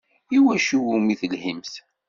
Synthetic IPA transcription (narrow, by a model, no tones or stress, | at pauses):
iwæʃuwumiθəlhimθ